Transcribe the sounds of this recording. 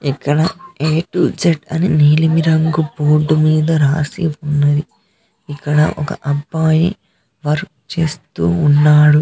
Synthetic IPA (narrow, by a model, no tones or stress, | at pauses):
ikːɐɽɐeːʈud͡ʒeʈɐ̰niniːlimiɾɐŋɡuboːɖːumiːd̪ɐɾaːsḭʋunːɐd̪i | ikːɐɽɐ̰ʔɔkɐ̰ʔɐbːaːjḭ | ʋɐɾk̚ | t͡ʃe̞ːst̪uːnːaːɽu